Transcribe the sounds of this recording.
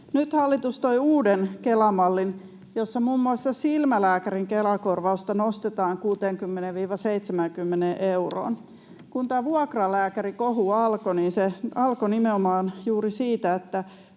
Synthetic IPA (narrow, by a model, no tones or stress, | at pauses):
nyt̪hɑlːit̪ust̪oiuːdenkelɑmɑlːin | josːɑmuːmːuɑsːɑsilmælæːkæɾiŋkelɑkorʋɑust̪ɑnost̪et̪ɑːŋkuːt̪eːŋkymːeneʋʋiːʋɑseit̪semæŋkymːeneʔeuro̰ːn | kunt̪æːʋuɑkrɑlæːkærikoɦuɑlkoniːnseɑlkonimeomɑːnjuːɾisiːt̪æet̪ːæ